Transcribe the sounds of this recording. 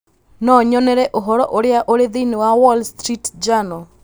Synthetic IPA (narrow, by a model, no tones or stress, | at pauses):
nɔɲɔnɛɾɛʔoɦɔɾɔʔoɾeaʔoɾeðinewawɔlstɾitd͡ʒanɔ